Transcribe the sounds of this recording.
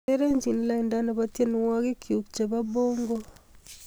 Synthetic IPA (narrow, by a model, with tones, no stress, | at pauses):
e˦ɾe˦ɲd͡ʒi˨nla˨inda˦na˨βatje˦ni˦wa˦ɣe˦kiu˨kt͡ʃa˨βa˦βoːŋɡo˦